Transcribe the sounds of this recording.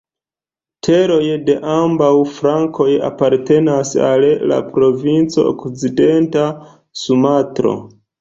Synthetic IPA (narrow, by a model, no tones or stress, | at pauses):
tʰe̞ɾo̞jde̞ʔambawfɾaŋko̞ja̰paɾte̞nasa̰lla̰pɾo̞vint͡so̞̰o̰kt͡side̞nta | sumatɾo̞̰